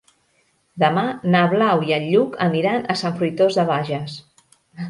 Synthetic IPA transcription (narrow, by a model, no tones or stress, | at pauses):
d̪əmanaβlawiəʎːukʰəniɾanəsaɱfɾujt̪ozðəβ̞aʒəs